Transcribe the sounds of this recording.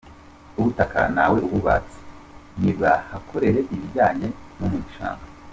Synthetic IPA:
uβutakʰa̰na̰we̞ʔuβuβa̰t͡si̥ | nibɡahakʰo̞ɾe̞ɾe̞ʔiβiɟaːɲe̞numuɲiʃa̰ːŋɡa

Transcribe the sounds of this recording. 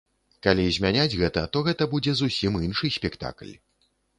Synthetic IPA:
kalʲizʲmʲanʲad͡zʲɣɛt̪ɐt̪ɔɣɛt̪ɐbud͡zʲɛzusʲiminʂɨsʲpʲɛkt̪a̰klʲ

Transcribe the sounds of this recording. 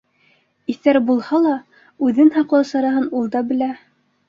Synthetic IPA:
iθæɾbulˠhɑlˠɑ | ʉðɘnhɑqlˠɑsɑɾɑɦɤnulˠd̪ɑbɘ̆læ

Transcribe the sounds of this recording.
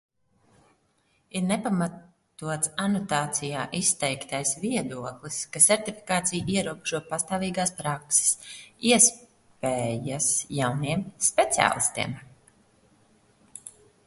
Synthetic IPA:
iɾnepamat | t̪uɔt̪sanut̪aːt̪sijaːʔist̪ɛjkt̪ajsviɛd̪uɔklˠiskasɛɾt̪ifi̥kaːt̪sijiɛɾuɔbeʒuɔpast̪aːviːɡaːspɾakse̥siɛs | pɛːjasjawniɛmspet̪sia̰ːlˠist̪ḭɛm

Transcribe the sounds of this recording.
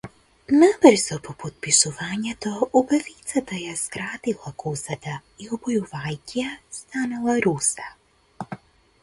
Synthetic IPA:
nabrzɔpɔpɔt̪̚pisuvaɲɛt̪ɔubavit̪sat̪ajaskɾat̪ilˠakʰusat̪aiɔbɔjuvajciast̪analˠaɾusa

